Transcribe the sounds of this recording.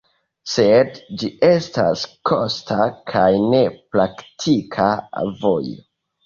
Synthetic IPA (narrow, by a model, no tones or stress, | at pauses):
sedd͡ʒiʔe̞sta̰skʰostʰakʰajne̞pɾaktʰikʰavojo